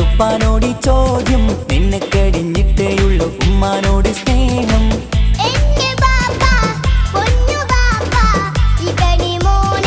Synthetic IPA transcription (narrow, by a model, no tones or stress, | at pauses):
upːaːnoːɽit͡ʃoːd̪ʱjɐmenːɐkːɐɽiɲiʈ̪ːejuɭːɐkʊmːaːnoːɽisneːɦɐmeɲːɐbaːpapoɲːubaːpaikɐɽimoːn